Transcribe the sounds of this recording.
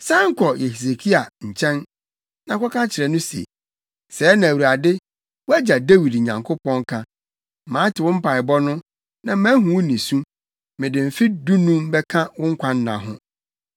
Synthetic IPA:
sã˦ŋ̩˦kʰɔ˨je˨hi˨s̬e˨kʰi˦a˨ɲ̩˨t͡ɕʰɛ̃˦n | nã˨kʰɔ˦kʰã˦t͡ɕʰɪ˨ɾɛ˨nʊ̃˦si˨ḛ˨ | sɛ˨˦nã˨æ˨wu˨ɾa˨dɪ˦ | wɔ˦æ˦d͡ʑa˨de˦wi˨dɲã̰˨ŋkʰʊ˦pʰɔ̃˦ŋ˦kʰã˦ | mãː˨˦tʰɪ˨wʊ̃˦m̩˦pʰa˨ɪ˨bɔ˦nʊ̃˦ | nã˨˦mã˦ɦũ˨wnĩ˨sũ˦ | mɪ̃˨dɪ̃˨m̩˨fɪ˦dũ˦nũ˦mbɛ˦kʰã˦wʊ̃˦ŋ̩˦kʷʰã˦n˦nã̰˨ɦʊ̰̃˦

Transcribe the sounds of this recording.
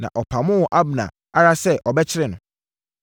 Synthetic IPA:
nã̰˨ʔɔ˨pʰa˨mʊ̃˦wʔa˦bnã̰˨ | a˦ɾa˦sɛ˦ʔɔ˨bɛ˦t͡ɕʰɪ˦ɾɪ˨nʊ̃˨

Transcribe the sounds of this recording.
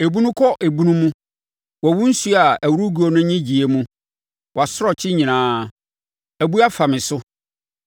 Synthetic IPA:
e˨bu˦nũ˦kʰɔ˦ʔe˨bu˦nũ˦mũ˦ | wɔ˨wu˦n̩˦su˦a˨æ˨wu˦ɾu˦ɡu˦o˨nʊ̃˦ɲĩ˦d͡ʑi˨e˨˦mũ˦ | wɔ˨a˨sʊ˦ɾɔ˨t͡ɕʰɪ˦ɲĩ˨nãː˨˦ | æ˨bu˦a˦fa˨mɪ̃˨sʊ˦

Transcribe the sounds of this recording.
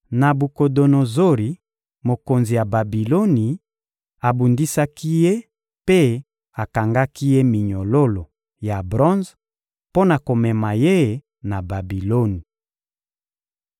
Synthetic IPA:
na˨bu˨ko˨do˨no˨zo˦ʁi˨ | mo˨ko˨nzi˨ja˨ba˨bi˨lo˦ni˨ | a˨bu˨ndi˦sa˦ki˦je˦ | pe˦ | a˨ka˨ŋɡa˦ki˦je˦mi˨ɲo˨lo˦lo˨ | ja˨bʁɔ̃˦nz | po˦na˨ko˨mɛ˨ma˨je˦˨ | na˨ba˨bi˨lo˦ni˨

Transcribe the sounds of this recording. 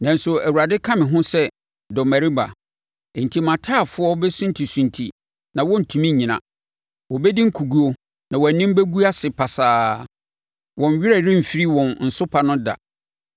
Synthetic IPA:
nã˨nsʊ˨æ˨wu˨a˨dɪ˦kʰã˦mɪ̃˨ɦʊ̃˦sɛ˦ | dɔ˨mæ˨ɾi˦ba̰˨ | n̩˨tʰi˦mã˨tʰaː˦˨fʊ˦ɔ˦bɛ˦sʊ̃˦n̩˦tʰi˨sũ˨ntʰḭ˨ | nã˨wɔ̃˦n̩˨tʰũ˨mĩ˦˨ɲĩ˨nã̰˨ | wɔ˨bɛ˦di˦ŋ̩˦kʰu˨ɡu˦o˦ | nã˨wɔ˨æ˨nɪ̃˦m˦be˦ɡu˦a˦sɪ˨pʰa˨saː˦ | wɔ̃˨n˨ɥᶣɪ˦ɾæ˦˨ɾɪ̃˦m̩˨fi˦ɾi˦wɔ̃˨nn̩˨sʊ˦pʰa˨nʊ̃˦da̰˨

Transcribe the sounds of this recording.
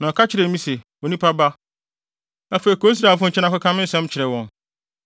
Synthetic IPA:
nã˨kʰa˦t͡ɕʰɪ˦ɾɛ˨˦mĩ˦sɛ˨ | o˨nĩ˦pʰa˦ba˦ | ã˨feː˨i˨kʰoː˦i˦s̬ɾa˨fʊ̃˦˨t͡ɕʰɪ˦nã˦kʊ˦kʰã˦mɪ̃˦sɛ̃˦m˦t͡ɕʰɪ˨ɾɛ˨wɔ̃˨n

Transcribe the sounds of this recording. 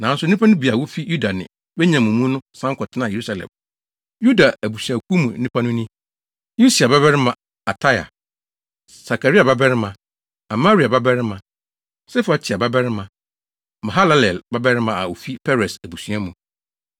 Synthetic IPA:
nã˨˦sʊ˦ĩ˦pʰa˦nʊ̃˦bi˨a˨wo˦fi˦ju˦da˨nɪ̰̃˨ | bɛ˦ɲã˨mũ˨mũ˦nʊ̃˦sã˦ŋ˦kʰɔ˨tʰɪ˦nã˦˨je˨ɾu˦sa˨lɛ̰̃˨m | ju˦da˨æ˨bu˨sɥa˨kʰu˦mũ˨n̩ː˦ĩ˦pʰa˦nʊ̃˦nĩ˦ | ju˦si˨a˨ba˦bɛ˦ɾɪ˦mã˨ | a˨tʰa˦ja̰˨ | sa˨ka˨ɾi˦a˨ba˦bɛ˦ɾɪ˦mã˨ | a˨ma˦ɾi˨a˨ba˦bɛ˦ɾɪ˦mã | sɛ˦fa˨t͡ɕʰɪ˨a˨ba˦bɛ˦ɾɪ˦mã˨ | mã˨ɦa˦la˦lɛ˨lba˦bɛ˦ɾɪ˦mã˨a˨o˨fi˦pʰɛ˦ɾɛ˨sæ˨bu˨sɥa˦mũ˨

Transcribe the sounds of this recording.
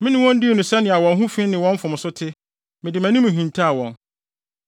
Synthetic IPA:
mɪ̃˦nɪ̃˦wɔ̃˦n˦dɪ˦e˨nũ˨sɛ˦nɪ̃˨a˨wɔ̃˨nɦũ˦fĩ˦nɪ̃˨wɔ̃˦ɱ˦fʊ̃˨m˨sʊ˦tʰɪ˦ | mɪ̃˨dɪ˨mæ̃˨nʊ̃˦mũ˨ɦĩ˨ntʰa˦a˨wɔ̰̃˨n

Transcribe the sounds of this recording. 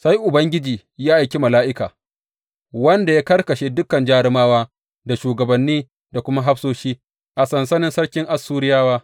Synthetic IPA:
sa˦jʔʊ˨bɐ˦ŋɡʲɪ˦d͡ʒiː˨ | jaː˦ʔa˨jkʲi˦mɐ˨laː˦ʔɪ˦ka̰ː˨ | wɐ˦nda˨ja˦kɐ˦ɽkɐ˨ʃeː˦dʊ˦kɐ˨nd͡ʒaː˦ɽɪ˦maː˦waː˦ | da˨ʃuː˨ɡɐ˨bɐ˨nːiː˦ | da˨kʷʊ˦ma˦ɦa˦ɸsoː˦ʃiː˦ | ʔa˨sɐ˨nsɐ˦nɪ˦nsɐ˦ɽkʲɪ˦ŋʔa˨sːuː˦ɾɪ˦jaː˦waː˦

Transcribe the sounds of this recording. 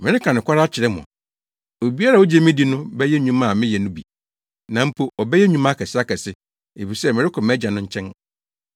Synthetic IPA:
mɪ̃˨ɾɪ˦kʰã˨nɪ̃˨kʰʷa˦ɾa˦t͡ɕʰɪ˨ɾɪ˦mʊ̰̃˨ | o˨bi˦a˦ɾa˨o˦d͡ʑɛ˦˨mɪ̃˦di˨˦nʊ̃˦bɛ˦jɛ˦ɲũ˦mã˦˨mɪ̃˦jɛ˨nʊ̃˦bi˨ | nã˨m̩˦pʰo˦ɔ˨bɛ˦jɛ˦ɲũ˦mã˦kʰɛ˨sɪ˦a˦kʰɛ˨sɪ˦ | e˨fi˨sɛ˦mɪ̃˨ɾɪ˦kʰɔ̃˨mɛ˦d͡ʑa˨nʊ̃˦ɲ̩˦t͡ɕʰɛ̃˦n

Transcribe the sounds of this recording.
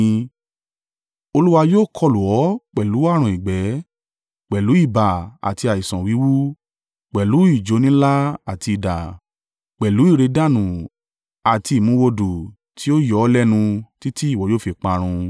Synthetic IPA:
o˧lu˦wa˧joː˦˨kʰɔ˧˨lu˨ɔ˨˦k͡pɛ˨lu˨˦a˦˨ɾ̃ũ˧˨i˨ɡ͡bɛ˨˦ | k͡pɛ˨lu˨˦i˦˨ba˨a̰˨ti˧a˨i˨sɔ̃˨wi˨˦wu˦ | k͡pɛ˨lu˨˦i˦˨d͡ʒo˨˦nĩ˦la˦a˨ti˧i˧da˨ | k͡pɛ˨lu˨˦i˦˨ɾe˧da˦˨nũ˨ | a˨ti˧i˨mũ˨˦wo˧du˨ | tʰi˨˦o˦jɔ˨˦lɛ˦nũ˧ti˦ti˦i˦˨wɔ˨joː˦˨fi˧k͡pã˧ɾ̃ũ˧

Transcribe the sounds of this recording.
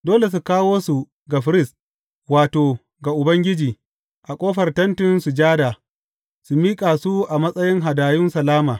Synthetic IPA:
doː˦le˨s̬u˨kaː˦woː˦su˨ | ɡa˨ɸɪ˦ɾɪ˦s | waː˨toː˨ | ɡa˨ʔʊ˨bɐ˦ŋɡʲɪ˦d͡ʒiː˨ | ʔa˨kʷʼoː˦ɸɐ˨rtɐ˦ntɪ˦nsu˨d͡ʒaː˦da˨ | su˨miː˦kʼaː˨su˦ʔa˨mɐ˦sʼɐ˦jɪ˦ŋɦa˨daː˨jʊ˦nsɐ˨laː˦maː˨

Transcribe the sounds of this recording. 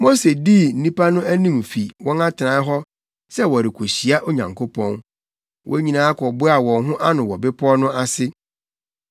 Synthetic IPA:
mo˦se˨di˦n̩˦nĩ˦pʰa˦nʊ̃˦æ˦nĩ˦˨m˨fi˨wɔ̃˦na˦tʰɪ˨ã˨˦ɦɔ˦ | sɛ˦wɔ˨ɾɪ˨kʰo˨ɕi˨a˦ʔo˦ɲã̰˨ŋkʰo˦pʰɔ̃˦n | wʔɔ˦ɲĩ˨nãː˨˦kʰɔ˨bʊ˦a˨wɔ̃˨ŋɦʊ̃˦ʔa˦nʊ̃˨wɔ˨bɪ˦pʰɔ˦nʊ̃˦a˦sɪ˦

